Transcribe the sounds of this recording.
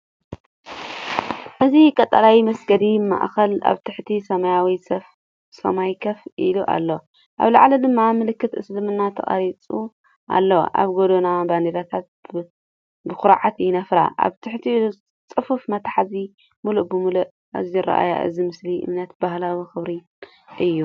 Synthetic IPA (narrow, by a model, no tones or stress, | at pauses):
nɨzikʼɐt̪ʼːɐlawimɐsɡɐd̪ima̰ʔxɐla̰βt̪ʰɨħt̪ʰisɐmajawisɐf | sɐ̰majkʰɐfʔiluʔa̰lːo | ʔa̰βlɐ̰ʕlɐd̪ɨmːamɨlɨkːɨt̪ʔɨ̰slɨmɨnːat̪ʰɐ̰χʼa̰ɾit͡sʼu | ʔa̰lːoʔa̰βɡod̪onaband̪iɾat̪ʰat̪̚ | bɨxʊɾʕat̪jɪnɐfɾa̰ʔa̰βt̪ʰɨħt̪ʰiilu | t͡sʼɨfufmɐt̪ʰħazi | muluʔbɨmuluʔ | a̰ziɾɐ̰ʔa̰ja̰ʔɨ̰zimɨsliʔɨ̰mnɐt̪̚bahlawixɨβɾi | ʔɨjːu